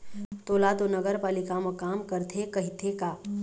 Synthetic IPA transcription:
t̪oːlat̪onəɡəɾpaːlɪkamokaːmkəɾt̪ʰekɐɦɪt̪ʰekaː

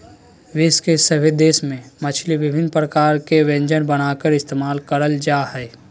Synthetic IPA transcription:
ʋɪskesəbɪd̪eːsmẽmət͡ʃʰliʋɪbʱɪnpɾəkaːɾkeʋẽɲd͡ʒənbəñaːkəɾɪst̪eːmaːlkəɾəld͡ʒaːhɛː

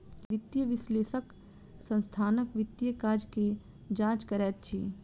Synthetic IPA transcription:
ʋɪt̪jəʋɪsleːʃək | sə̃nst̪ʰaːnəkʋɪt̪jəkaːd͡ʒke | d͡ʒãːt͡ʃkəɾɛːt̪̚t͡ʃʰḭ

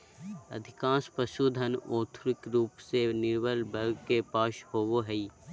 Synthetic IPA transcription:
ə̰d̪ʱɪkãːspəʃud̪ʱənoːt̪ʰɾɪkɾuːpsenɪɾʋəlbəɾɡkepaːʃhoːʋoɦɛi

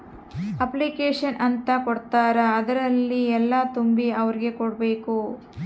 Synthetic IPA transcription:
ɐplikeːʂɐnʔɐnt̪ɐkɔɽt̪aːɾɐːd̪ɐɾɐlːiɛlːɐt̪umbiɐʋɐɾiɡe̞koɽbe̞ːku

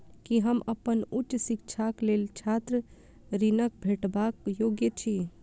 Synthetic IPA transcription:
kiɦəməpənut͡ʃːsikt͡ʃʰaklelt͡ʃʰat̪ɾə | ɾinək̚bʱeʈbakjoɡjət͡ʃʰi

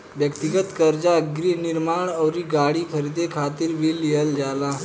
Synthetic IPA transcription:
ʋjəkt̪iɡət̪kəɾd͡ʑaɡɾiːniɾmaɳəwɾiːɡaɽiːkʰəɾid̪ekʰat̪iːɾʋiːljeld͡zala

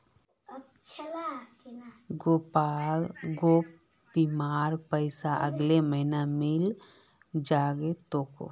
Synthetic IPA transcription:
t͡ʃʰ | ɡopalɡop | bimaːɾpəɪsaʔəɡleməɦinamil | d͡ʒaɡet̪oːko̰

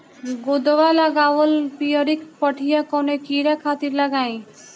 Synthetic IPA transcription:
ɡod̪ʋalaɡaʋɔlpijɔɾikpɔʈʰijakɔnekiɾakʰat̪iɾlaɡaĩ

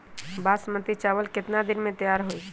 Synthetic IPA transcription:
baːsmə̃t̪it͡ʃaːʋəlkɪt̪nad̪ɪnmẽt̪əjaːɾɦoi

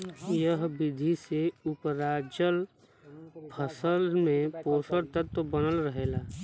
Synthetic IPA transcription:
jəɦbɪd̪ʱiseʊpɾaːd͡ʒəl | pʰəsəlmẽpoːsəɾt̪ət̪ːbənəlɾəɦeːlaː

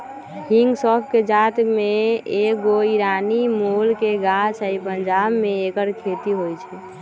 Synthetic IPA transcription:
hiŋɡsɔpʰked͡ʒat̪meekɡoiɾanimolkeɡat͡ʃʰəipənd͡ʒabmeːkəɾkʰet̪iɦojt͡ʃʰɛ

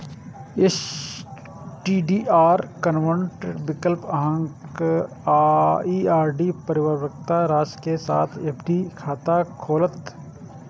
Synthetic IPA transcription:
ɪs | ʈiːɖiːʔaːɾkənʋəɳʈbɪkəlpɐɦə̃ŋkː | iːaːɾɖipəɾɪwəʋək̚t̪aɾaːskesaːt̪ʰepʰɖikʰaːt̪akʰoːlət̪

